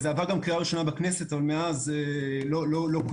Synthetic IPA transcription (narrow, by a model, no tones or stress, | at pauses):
zeavaʁɡamkʁiaʁiʃo̞nabaknese̞t̪avalmeazelo̞lo̞lo̞k